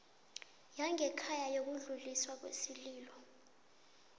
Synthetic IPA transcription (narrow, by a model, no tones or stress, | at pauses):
jaŋɛkʰajajok̬uɮuliswak̬wḛsiliːlɔ